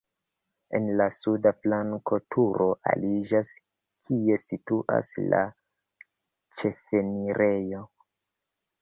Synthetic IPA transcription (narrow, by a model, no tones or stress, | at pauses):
enlasudaflaŋko̞tʰuɾʔo̞ʔa̰lid͡ʒas | kʰie̞situʔa̰sla̰ | t͡ʃe̞fe̞niɾʔe̞jo